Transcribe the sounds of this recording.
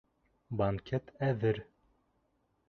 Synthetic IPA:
bɐŋkʲet̪ʰæðɘɾ

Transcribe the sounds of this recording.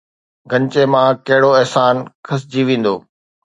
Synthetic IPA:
ɡʱɐ̃ɲt͡ɕemãkɐɦɪɽoɛɦsaːnkʰɐs̬d͡ʑiːʋĩːn̆d̪oː

